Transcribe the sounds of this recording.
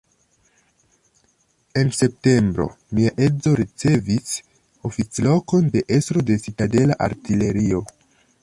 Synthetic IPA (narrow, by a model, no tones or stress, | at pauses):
e̞nse̞p̚te̞mbɾo̞̰ | miaʔe̞zo̞ɾit͡se̞vis | o̞fit͡slo̞ko̞nde̞ʔe̞stɾo̞de̞sitade̞laʔa̰ɾtile̞ɾio̞